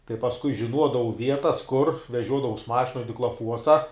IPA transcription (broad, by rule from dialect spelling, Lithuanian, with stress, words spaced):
tɐɪ pɐsˈkʊɪ ʒʲɪˈnuɔdɐʋɐʊ ˈʋʲiɛtɐs kʊr ʋʲɛˈʒʲuɔdɐʋɐʊs ˈmɑːʃʲɪnoːj dʲɪklˠɐˈfuɔsɐ